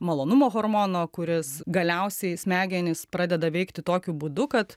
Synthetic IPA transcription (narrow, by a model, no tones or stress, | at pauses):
mɐlˠoːnʊmoːɣoːɾmoːnoːkʊɾʲɪsɡɐlʲɛʊsʲɛɪsʲmʲæːɡʲɛnʲɪspɾɑːd̪ʲɛd̪ɐʋʲɛɪkt̪ʲɪt̪oːkʲubuːd̪ʊkɐt̪